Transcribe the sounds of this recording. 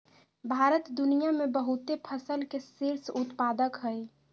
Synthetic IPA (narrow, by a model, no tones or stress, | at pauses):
bʱaːɾət̪d̪unijamẽbəɦut̪epʰəsəlkesiɾsʊt̪paːd̪əkɦəj